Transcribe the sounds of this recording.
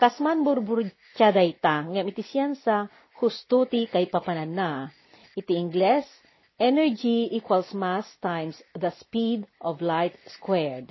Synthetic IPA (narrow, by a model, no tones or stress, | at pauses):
kasmanbʊɾbʊɾ | t͡ʃad̪ajt̪aŋamɪt̪ɪsjansa | hʊst̪ut̪ɪkajpapananːa | ʔɪt̪ɪɪŋɡlɛs | ʔɛnɛɹd͡ʒiʔikwalsmast̪ajmsðɐspid̪ʔɔvlajt̪̚skwɛɹd̪